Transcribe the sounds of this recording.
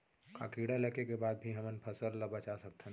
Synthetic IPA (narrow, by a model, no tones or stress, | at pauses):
ka̰kiːɽalɐkekebaːd̪̚bʱiɦɐmənpʰɐsəlːabɐt͡ʃasɐk̚t̪ʰː